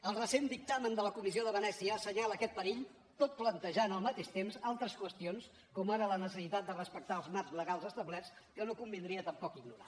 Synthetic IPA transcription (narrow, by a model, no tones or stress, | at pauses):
əlˠrəsend̪ik̚t̪amənd̪ələkumizioðəβənɛsiəːsəɲalˠəkɛt̪̚pəɾiʎ | t̪ot̪̚plənt̪əʒanəlˠmət̪eʃt̪emzalˠt̪ɾəskwəst̪ions | kɔmaɾələnəsəsit̪at̪̚d̪ərəspək̚t̪aəlˠzmaɾzləɣalˠzəst̪əβlɛs | kənokumbind̪ɾiət̪əmpɔkiɡnuɾa